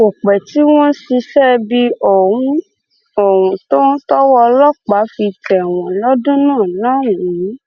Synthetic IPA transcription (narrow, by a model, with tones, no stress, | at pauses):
o˨k͡pɛ˨ti˦w̃ɔ̃˦si˧ʃɛ˦bi˧o˨ũ˦ | o˨wũ˨to˦n˦tɔ˦wɔ˧lɔ˦k͡pa˨˦fi˧tɛ˨w̃ɔ̃˨lɔ˦dũ˦nãː˦˨nãː˦˨ũ˨ĩ˨˦